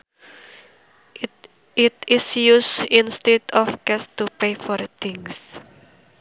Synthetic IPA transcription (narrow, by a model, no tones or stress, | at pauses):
ɪtɪsjusĩnst̪edɔfkɛst̪upejfɔɾt̪ʰɪ̃ŋs